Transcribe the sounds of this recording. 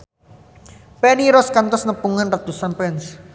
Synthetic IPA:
pɛniɾɔskant̪ɔsnəpuŋanrat̪usanpɛns

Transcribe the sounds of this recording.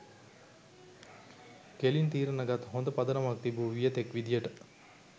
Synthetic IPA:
kelint̪iːɾənɐɡat̪ɦond̪əpɐd̪ənɐmak̚t̪ibuːʋijət̪ekʋid̪ijəʈə

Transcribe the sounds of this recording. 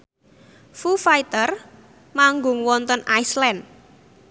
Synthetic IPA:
fufajt̪ər | maŋɡʊ̤ŋwɔnt̪ɔnaislɛn

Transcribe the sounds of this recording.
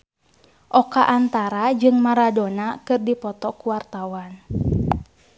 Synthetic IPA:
ʔɔkaʔant̪aɾad͡ʒɨŋmaɾadonakɨrdipɔt̪ɔkuwart̪awan

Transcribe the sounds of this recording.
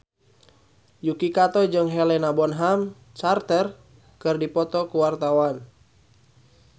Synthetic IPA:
jukikat̪ɔd͡ʒɨŋɦɛlɛnabɔnɦam | t͡ʃart̪ər | kɨrdipɔt̪ɔkuwart̪awan

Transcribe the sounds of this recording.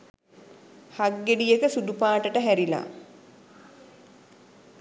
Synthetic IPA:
haɡːeɖijəkəsud̪upaːʈəʈəɦæɾila̰

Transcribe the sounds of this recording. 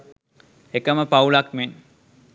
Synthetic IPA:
ekəməpaulakmen

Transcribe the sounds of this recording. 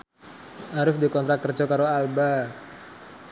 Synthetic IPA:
ʔaɾʊfdikɔnt̪ɾakərd͡ʒɔkaɾoalba

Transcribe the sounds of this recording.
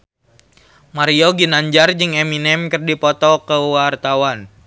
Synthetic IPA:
maɾioɡinaɲd͡ʒard͡ʒɨŋeminɛmkərdipɔt̪ɔkəwart̪awan

